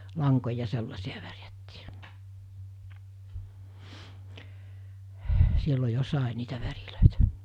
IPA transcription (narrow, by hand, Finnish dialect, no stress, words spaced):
lɑŋkojɑ selːɑsiɑ ʋærjætːiː silːo jo sɑˑe niːtæ ʋæriløˑitæ̥